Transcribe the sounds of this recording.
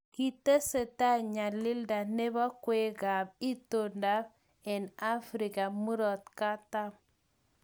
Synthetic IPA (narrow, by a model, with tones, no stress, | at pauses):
kitə˦sə˨ta˦ɲa˨lːi˦lda˨ne˦ba˦kwe˦ɡa˨b̚i˦tonda˦b | ɛ˨na˦fɾi˨ka˨mu˦ɾɔ˨t̚ka˦tam